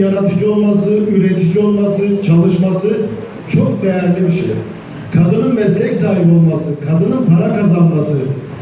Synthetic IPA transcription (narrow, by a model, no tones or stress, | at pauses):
jaɾat̪ʰɯd͡ʒo̞lˠmasɯyɾɛt̪ʰid͡ʒio̞lˠmasɯt͡ʃʰalˠɯʃmasɯ | t͡ʃʰo̞k̚d̪ɛjæɾlʲibiʃɛ̰j | kʰad̪ɯnɯnmɛslʲɛcsaːɦibo̞lˠmasɯkʰad̪ɯnɯnpʰaɾakʰazanmasɯ